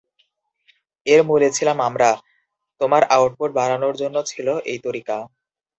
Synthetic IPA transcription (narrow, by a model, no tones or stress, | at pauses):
eɾmulet͡ɕʰilamamɾa | t̪omaɾawʈ̚poʈ̚baɾanoɾd͡ʑonːot͡ɕʰiloʔejt̪oɾika